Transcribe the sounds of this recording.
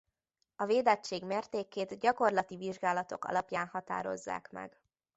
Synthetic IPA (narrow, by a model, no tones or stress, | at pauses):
ɒveːd̪ɛt͡ʃːeːɡmeːrt̪eːkeːd̪ɟɒko̞rlɒt̪iviʒɡaːlɒt̪o̞̰kɒ̰lɒpjaːnhɒt̪a̰ːɾo̞̰zːa̰ːkmɛ̰ɡ